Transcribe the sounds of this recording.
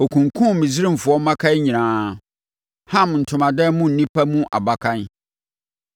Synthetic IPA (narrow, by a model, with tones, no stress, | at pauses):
o˨kʰũ˨ŋkʰʊ̃˦mĩ˨zi˦ɾĩ˦m̩˨fʊ˨ɔ˦mːã˦kʰa˦ɲĩ˨nãː˦ | hã˦˨mn̩˨tʰʊ̃˨mã˨dɛ˦mũ˦˨n̩˨nĩ˦pʰa˦mũ˦ʔa̰˨ba˨kʰã˦n˦